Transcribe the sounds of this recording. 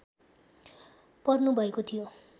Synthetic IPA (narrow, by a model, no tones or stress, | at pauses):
pʌrnubʱʌekot̪ʰijo